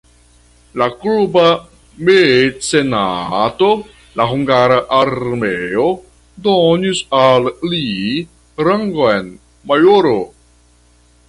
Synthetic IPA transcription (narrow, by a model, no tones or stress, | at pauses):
lakluba | mesena̰to̞ | laɦuŋɡaɾaʔːɾmeo | donisalːi | ɾaŋɡoen | majoɾo